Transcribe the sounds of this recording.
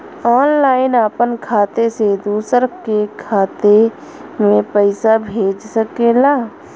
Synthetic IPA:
ɔːnlaːɪnaːpənkʰaːt̪esed̪uːsəɾkekʰaːt̪e | mẽpəɪsabʱeːd͡ʒsəkeːlaː

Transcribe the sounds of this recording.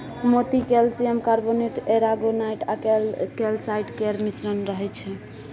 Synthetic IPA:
mot̪ikelsiemkaɾboneʈeɾaɡonajʈalkelsajʈkeɾmisɾənɾəɦɛt͡ʃʰɛ

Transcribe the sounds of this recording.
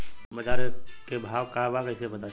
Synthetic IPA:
məd͡ʒaːɾkebʱaːʋkabakəɪsebət̪a

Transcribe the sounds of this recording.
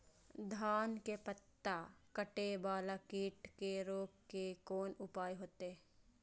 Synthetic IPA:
d̪ʱaːnkepət̪ːakəʈebaːlakiːʈkeɾoːɡkekoːnʊpaːeɦoːt̪e

